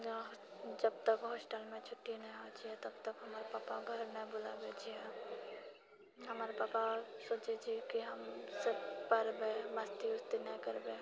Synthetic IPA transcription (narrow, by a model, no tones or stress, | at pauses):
d͡ʒəb̚t̪əkɦɔːsʈəlmẽt͡ʃʰʊʈːinəɦĩɦot͡ʃʰiɦɛt̪ɐb̚t̪əkɦɐmaːɾepaːpaɡʱəɾmẽbʊlabet͡ʃʰiɦɛ | ɦəmaːɾepaːpasoːt͡ʃed͡ʒʰikiɦəmsepəɾbẽmɐst̪iʊst̪ineĩkəɾbẽ